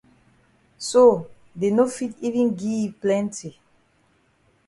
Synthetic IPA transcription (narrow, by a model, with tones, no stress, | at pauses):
so˨ | de˨no˦fi˦tivĩnɡiplɛ̃nti˨